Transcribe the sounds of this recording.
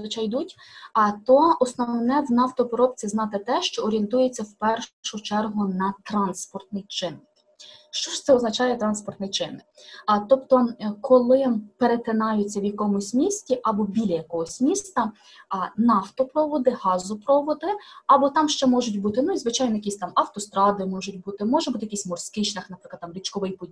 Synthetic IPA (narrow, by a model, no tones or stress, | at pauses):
ʋɪt͡ʃɑjd̪utʲ | t̪ɔɔsnɔʋnɛwnɑft̪ɔpɔɾɔp̚t͡sʲiznɑt̪ɪt̪ɛʃt͡ʃɔɔɾʲient̪ujet͡sʲːɐwpɛrʊt͡ʃɛrɦʊnɐt̪ɾɑnspɔrt̪nɪjt͡ʃɪn | ʃt͡ʃɔʃt̪sɛɔznɐt͡ʃɑjɛt̪ɾɑnspɔrt̪nɪjt͡ʃɪnɪt̪ɔpt̪ɔkʰɔlˠɪpeɾet̪ɪnɑjʊt͡sʲːɐwjɐkɔmʊsʲmʲisʲtʲiʔɐbɔbʲilʲɐjɐkɔɦɔsʲmʲist̪ɐ | nɑft̪ɔpɾɔʋɔd̪ɪɦɑzʊpɾɔʋɔd̪ɪɐbɔt̪ɑmʃt͡ʃɛmɔʒʊtʲbut̪ɪnʊizʋɪt͡ʃɑjnɔjɐkʲisʲt̪ɑmɐwt̪ɔst̪ɾɑd̪ɪmɔʒʊtʲbut̪ɪmɔʒɛbut̪ɪjɐkisʲmɔrsʲkɪʃnʲɐxnɐpɾɪklˠd̪t̪ɑmɾʲit͡ʃkɔʋɪjpɔdʲi